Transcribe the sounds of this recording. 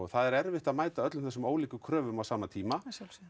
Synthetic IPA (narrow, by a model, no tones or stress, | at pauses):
θaðɛɾɛɾvɪht̪aðmaːjt̪aœt̪lmθɛsːʏmoːwliːkʏkʰɾœːvʏmawsaːmat̪ʰiːma